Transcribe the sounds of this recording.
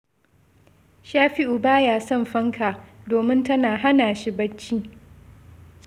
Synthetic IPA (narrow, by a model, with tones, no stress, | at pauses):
ʃaː˦ɸi˦ʔu˨baː˦jaː˨sɔ˦˨mɸɐ˦ŋkʰa˨doː˨mɪ˦ntɐ˦naː˨ɦa˦naː˨ʃɪ˦bɐ˦t͡ʃːiː˦